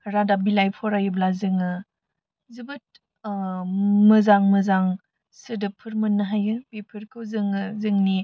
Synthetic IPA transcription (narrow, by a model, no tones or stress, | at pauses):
ɾadabilajpʰɔɾajɯblazɯŋɯ | zɯbɯt̚ | mɐzaŋmɐzaŋ | sɯdɯpʰɯɾmɯnːɐɦajɯbipʰɯɾkʰɯwzɯŋɯzɯŋni